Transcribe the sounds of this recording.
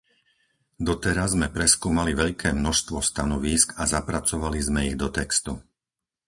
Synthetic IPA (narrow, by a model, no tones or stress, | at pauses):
d̪ɔt̪ɛɾazmɛpɾɛskuːmaliʋɛʎkʰɛːmnɔʃst̪ʋɔst̪anɔʋiːskazapɾat͡sɔʋalizmɛiɣd̪ɔt̪ɛkst̪u